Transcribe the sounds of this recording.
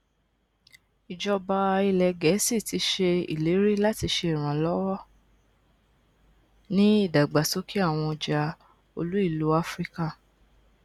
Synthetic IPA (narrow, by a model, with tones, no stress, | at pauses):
i˨d͡ʒɔ˧ba˧i˧lɛ˧ɡɛ˨˦si˦˨ti˧˦ʃe˧ḭ˨le˨˦ɾi˦la˦ti˧ʃe˧i˨ɾ̃ã˨lɔ˦wɔ˦ | nĩ˦i˦˨da˨ɡ͡ba˨so˨˦kʰi˦a˦˨w̃ɔ̃˧˨d͡ʒa˧ | o˧lu˦i˦˨lu˨˦a˦fɾi˦ka˦˨